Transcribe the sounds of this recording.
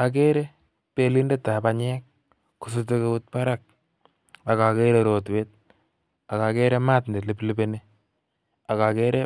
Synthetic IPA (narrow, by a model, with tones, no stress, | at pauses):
a˨k̬e˦ɾe˦ | pe˦li˦nde˦tːa˨pa˨ɲɛ˦k̚ | ku˨sute˦ke˦u˦t̚pa˦ɾa˨k̚ | a˨ka˨ke˦ɾe˦ɾo˨twe˦t̚ | a˨ka˨ke˦ɾɛ˦ma˦tnde˨tle˨pli˦be˦ne˦ | a˨ka˨ke˦ɾe˦